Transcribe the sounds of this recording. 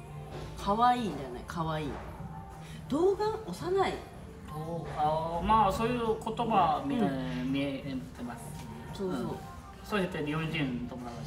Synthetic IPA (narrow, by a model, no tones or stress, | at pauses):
kʰaβaiːɲd̪anḛkʰaβaiː | d̪̥o̞ːɡãɰosanai | d̪̥oamaːsoːjɯko̞t̪oɡamʲimʲient̪emasɨ̥ɕi | soːsoː | soɕet̪ːeɾʲiõɲd͡ʑĩnt̪omonama